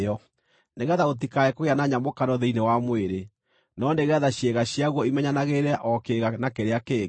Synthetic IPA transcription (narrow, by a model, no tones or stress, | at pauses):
ɔ | neɣɛðaot̬ikaɛkoɣeanaɲamokaɾɔðeinewamweɾe | nɔneɣɛðaɕjeɣaɕjaɣwɔimɛɲanaɣeɾɛʔɔkeɣanakeɾeake